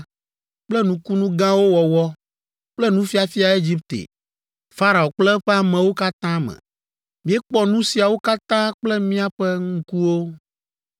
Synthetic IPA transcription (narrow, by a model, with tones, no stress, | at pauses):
k͡plɛ˦nũ˦ku˦nũ˦ɡã˦wo˦wɔ˨wɔ˦ | k͡plɛ˦nũ˦fi˦a˨fi˦a˨e˦d͡ʑi˦p̚t̪ḛ˨ | fa˦ɾa˨o˨k͡plɛ˦ɸɛ˦a˨mɛ̃˨wo˦ka˦t̪ã˦mɛ̰̃˨ | mĩ˦ɛ˦k͡pɔ˦nũ˦si˨a˨wo˦ka˦t̪ã˦k͡plɛ˦mĩ˦a˦ɸɛ˦ŋũ˦ku˦wo˦